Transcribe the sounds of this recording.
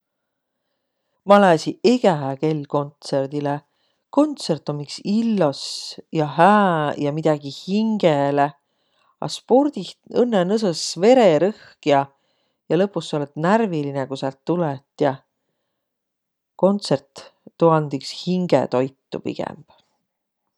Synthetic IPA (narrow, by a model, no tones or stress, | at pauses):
mɑlesiʔeɡ̥æɦæke̞lʲːko̞nt̪se̞rd̪̥ile | ko̞nt̪se̞rt̪ːˑomiksilːosjɑhæːjɑmid̪̥ɑɡ̥ihiŋɡ̥ele | ɑ̰spo̞ɾd̪̥iɤnːenɤs̬ɤsve̞ɾeɾɤhkjɑ | jɑlɤpːˑusːo̞let̪nærvilinekusælt̪ːulɛt̪ːˑjɑ | ko̞nt̪se̞rt̪ːuɑnd̪ikshiŋɡ̥ḛt̪o̞jt̪ːṵpḭɡ̥ɛ̰mb̥